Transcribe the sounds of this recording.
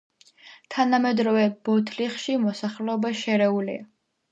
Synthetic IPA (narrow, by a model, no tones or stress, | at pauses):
t̪ʰanamɛd̪ɾɔvɛb̥ɔt̪ʰliχʃimɔsaχlɛɔbaʃɛɾɛulḭa